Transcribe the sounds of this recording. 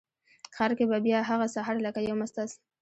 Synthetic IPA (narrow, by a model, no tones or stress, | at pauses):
xɑɾkebabjɑɦaɣasaɦɑɾlakajawmast̪as